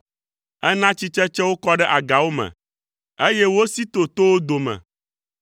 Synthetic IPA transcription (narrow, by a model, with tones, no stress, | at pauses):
ɛ˦nã˦t͡ɕi˦t͡ʃɛ˦t͡ʃɛ˦wo˦kɔ˦ɖɛ˦ʔa˨ɡa˨wo˦mɛ̰˨ | e˦jɛ˦wo˦si˦t̪o˨t̪o˦wo˦d̪o˨mɛ̰̃˨